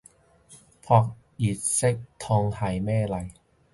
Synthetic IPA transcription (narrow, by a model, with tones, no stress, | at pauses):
pʰɔ˧k̚ | jiː˨˩t̪̚se˦˥˩k̚t̪ʰɔː˧ŋha˨˩jmɛː˥˩la˧j